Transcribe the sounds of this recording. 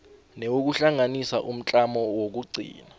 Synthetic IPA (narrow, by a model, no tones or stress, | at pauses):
newok̬uɬaŋanisaʔum̩t͡ɬʼamɔwok̬uɡ͡ǀʱḭːna